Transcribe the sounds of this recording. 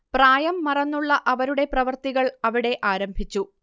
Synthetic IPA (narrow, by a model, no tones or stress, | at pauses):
praːjɐmːɐrɐnːuɭːɐʔɐʋɐɾuɽe̞prɐʋɐrt̪iɣɐɭɐʋiɽe̞ʔaːɾɐmbʱit͡ɕːu